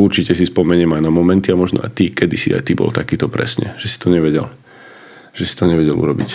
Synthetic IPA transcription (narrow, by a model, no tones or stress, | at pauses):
uɾt͡ʃicɛsispɔmɛɲɛmaɪnamɔmɛnt̪iamɔʒnɔ̰a̰jt̪ikɛd̪isḭa̰jt̪ibɔ̰lt̪akiːt̪ɔpɾɛ̰sɲɛ̰ʒ̥ɛsi̥t̪ɔɲɛʋɛɟɛ̰l | ʒ̥ɛsi̥t̪ɔɲɛʋɛɟɛlṵɾɔbḭc